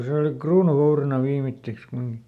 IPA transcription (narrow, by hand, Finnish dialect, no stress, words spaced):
se oli kruːnuʋourinɑ ʋiːmitːeks kumiŋkĭ